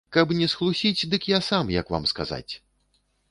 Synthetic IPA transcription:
kapnʲɛsɣlˠusʲit͡sʲd̪ɨkjasamjɐ̰kva̰mska̰za̰t͡sʲ

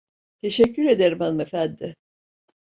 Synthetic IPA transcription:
t̪ʰe̞ʃɛcʰːyɾe̞d̪eɾimanmefænd̪ɪ

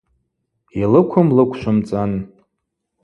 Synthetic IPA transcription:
alɨkʷʰʊmlɨkʷʰʃʷʊmt͡sʼan

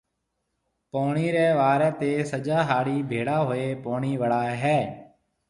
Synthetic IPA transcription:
poːɳiːɾɛːʋaːɾɛːt̪eːsəd͡ʒaːɦaːɽiːbʱeːɽaːɦoːeːpoːɳiːʋəɽaːɦɛː

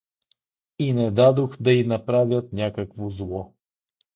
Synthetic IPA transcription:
inɛd̪ad̪oxd̪ɐinɐpɾavʲjət̪̚nʲakəkvozlˠɔ

